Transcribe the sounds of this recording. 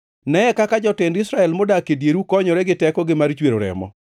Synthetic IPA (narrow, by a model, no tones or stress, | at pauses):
nɛɛkakad͡ʒɔtendɪsɾaɛlmodakedjeɾukɔɲɔɾɛɡɪtɛkɔɡɪmaɾt͡ʃweɾoɾɛ̰mɔ̰